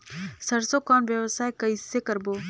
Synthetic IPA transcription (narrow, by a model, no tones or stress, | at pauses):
səɾsokɔːnʋjəʋsaːekɐisekəɾboː